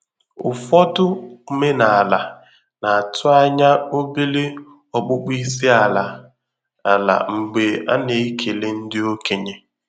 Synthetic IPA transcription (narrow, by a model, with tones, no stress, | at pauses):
ʊ̰˨fɔ˦tʊ˦me˦na˨a˨la˨ | na˨a˨tʰʊ˦a˦ɲa˦o˦bi˦le˦ | ɔ˨k͡pʊ˦k͡pi˦si˦a˨la˨ | a˨la̰˨ŋ͡m̩˨ɡ͡be˨a̰˦ne˨i˦kʰe˨le˦n̩˦dɪ˦o˦ke˨ɲe˦